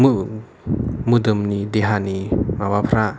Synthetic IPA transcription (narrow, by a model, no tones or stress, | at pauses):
mu | mudəmnideɦanimawapʰɾa